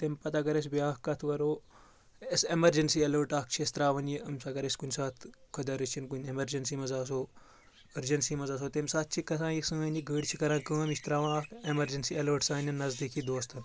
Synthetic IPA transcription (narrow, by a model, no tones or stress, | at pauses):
t̪emʲpɐt̪akɐɾes̬biaːkkɐt̪ʰʋɐɾoː | esemɐɾd͡ʒɐnsiːɐlɐːʈaːk̚t͡ʃʰiɐst̪ɾaːʋɐnjiɐmsakɐɾesʲkunʲsaːt̪ʰkʰɐd̪ɐɾɐt͡ʃʰinkunʲemɐɾd͡ʒɐnsimɐzaːs̬oː | ɐɾd͡ʒɐnsimɐzaːs̬oːt̪emʲsaːt̪̚t͡ʃʰikɐsãːjiksɨɐniɡəːɽt͡ʃʰikɐɾãːnkəːɐmist̪ɾaːʋɐ̃aːkemɐɾd͡ʒɐnsiɐlɐːʈsaːnʲɐnːɐzd̪ikʰid̪oːst̪ʰɐn